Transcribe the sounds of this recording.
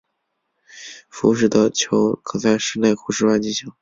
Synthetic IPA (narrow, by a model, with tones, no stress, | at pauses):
fu˧˥ʂ̬ɻ̩˥˩d̪ə˧t͡ɕʰjo˧˥ʊkʰɤ˨˩sa˥˧ʂɻ̩˥˧ne˥˩ɪkʰu˧˩ʂɻ̩˥˧wa˥˩nt͡ɕi˥ɕʰɑ˧˥˦ŋ